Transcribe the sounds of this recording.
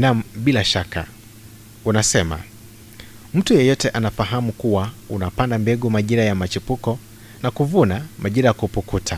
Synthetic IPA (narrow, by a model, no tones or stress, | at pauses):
nam̩ɓilaʃaka̰ | unasɛma̰ | m̩tujɛjɔtɛʔanafaɦamukuwaunapandambɛɡumaʄiɾajamat͡ʃipukɔ | nakuvunamʔaʄiɾajakupuktutʰa